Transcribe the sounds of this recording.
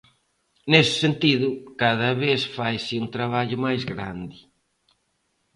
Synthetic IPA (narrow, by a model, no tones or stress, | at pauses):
nesɪ̥sent̪iðʊkaðɐβeθfajsɪunt̪ɾaβaʎʊmajzɣɾa̰nd̪ɪ